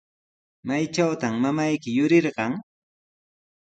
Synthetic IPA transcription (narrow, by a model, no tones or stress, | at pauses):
majt͡ʃawt̪amːamajkɪjʊɾɪɾɢɑŋ